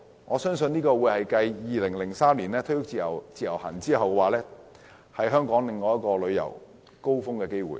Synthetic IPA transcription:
ŋɔː˨˧sœː˥ŋsɵ˧niː˥kɔː˧wuː˨˧jhɐ˨jkɐ˧jjiː˨˧lɪ˨˩ŋlɪ˨˩ŋsaː˥mliː˨˩nlɛː˥t̪ʰɵ˥jʊ˥k̚t͡siː˨jɐ˨˩wt͡siː˨˧jɐ̰˨˩whɐ̰ː˨˩nt͡siː˥hɐ˨wkwaː˨˩lɛː˥ | hɐ˨jɦœː˥ŋkɔː˨˥ŋlɪ˨ŋːɔː˨˧jɐ˥t̚kɔː˧lɵ˨˧ɥjɐ̰˨˩w | ko˥wfʊ˥ŋkɛː˧ke˥jwṵː˨˩j

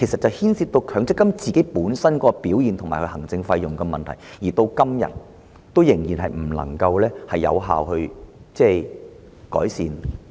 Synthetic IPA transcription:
kʰe˨˩jsɐ˨t̚t͡sɐ˨whiː˥nsiː˧t̚t̪o˧wkʰœː˨˥ŋt͡sɪ˥kːɐ˥mt͡siː˨ke˨˥jpuː˨˥nsɐ˥nkɔː˧piː˨˥wjiː˨nt̪ʰʊ˨ŋmaː˨˩jkʰɵ˧hɦɐ˨˩ŋt͡sɪ˧ŋfɐ˧jjʊ˨ŋkɛ˧mɐ̰˨nt̪ʰɐ˨˩jjiː˨˩t̪o˧wkɐ˥mjɐ̰˨t̚ | t̪o˥wjɪ˨˩ŋjiː˨˩nhɐ˨jm̩˨˩lɐ̰˨˩ŋkɐ˧wlɛː˥hɐ˨jːɐ̰˨˧wɦa̰ː˨whɵ˧ɥt͡sɛː˥˩ | kɔ̰ː˨˥jsḭː˨n

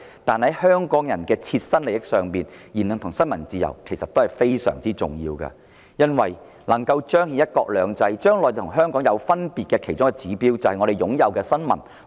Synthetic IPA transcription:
t̪aː˨nhɐ˨˥jhœː˥ŋkɔː˨˥ŋjɐ˨˩nkɛː˧t͡sʰiː˧t̚sɐ˥nle˨˩ɪ˥k̚sœː˨˩ŋpiː˨njiː˨˩nɵ˨ŋt̪ʰŋsɐ˥nmɐ˨˩nt͡siː˧jɐ̰˨˩wkʰe˨˩jsɐ˨t̪o˥whɐ˨jfe˥jsœ̰ː˨˩ŋt͡siː˥t͡sʊ̰˨ŋjḭː˧wkɐ̰˧ | jɐ˥nwɐ˨j | nɐ˨˩ŋkɐ˧wt͡ʃœː˥ŋhiː˨˧˥jɐ˥t̚kɔː˧k̚lœː˨˧ŋt͡sɐ˧jt͡ʃœː˥ŋlɔː˨jt̪ʰʊ˨˩ŋɦœː˥ŋkɔː˨˥ŋjɐ˨˧wfɐ˥npiː˨t̚kɛː˧kʰe˨˩jt͡ʃʊ˥ŋkɛː˧t͡siː˨˥piː˥wt͡sɐ˨˧hjŋɔ˨˧ɾe˨jʊ˨˥ŋjɐ˨wkɛː˧sɐ˥nmɐ̰˨˩n

